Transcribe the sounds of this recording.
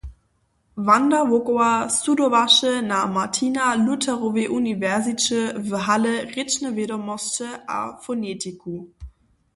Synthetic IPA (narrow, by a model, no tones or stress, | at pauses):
vandavokoasudɔvaʃənamatʰinalutʰɛʁoveʔunivɛʁzit͡ɕəvɦaləʁɪt͡ʃnəvjɛdɔmɔst͡ʃəʔa̰fɔnetʰiku